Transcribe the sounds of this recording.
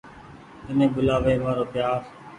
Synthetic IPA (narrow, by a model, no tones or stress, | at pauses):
t̪ənẽːbʊlaːʋeːʋãːɾoːpjaːɾ